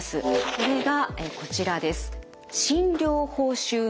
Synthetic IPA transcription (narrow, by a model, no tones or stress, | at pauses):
sɨko̞ɾe̞ɡaeko̞t͡ɕiɾad̪e̞sɨ̥ | ɕĩnɾʲo̞ːho̞ːɕɨː